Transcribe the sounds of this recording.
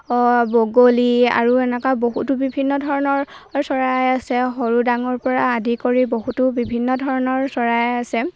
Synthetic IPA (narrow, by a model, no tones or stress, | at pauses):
ɔboɡolia̰ɹuɛnɛkaboɦutʊbibʱinːɔdʱɔɹɔnɔɹ | sɔɹajasɛɦoɹudaŋɔɹpɔɹaːdikoɹiboɦutʊbibʱinːɔdʱɔɹɔnɔɹsɔɹajasɛ